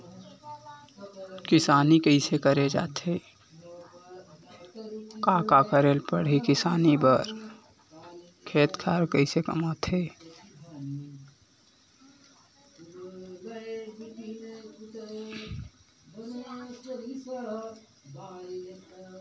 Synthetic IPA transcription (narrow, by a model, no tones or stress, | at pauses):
kɪsaːnikəɪsekəɾed͡ʒa̰ːt̪ɦeː | kaːkakəɾeːlpəɽ̤ikɪsaːnibəɾ | kʰeːt̪kʰaːɾkəɪsekəmaːt̪ʰɦeː